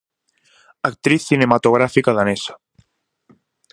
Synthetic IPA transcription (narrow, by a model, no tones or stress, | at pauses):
ak̚t̪ɾiθːinemat̪oɣ̞ɾafikaðanesḁ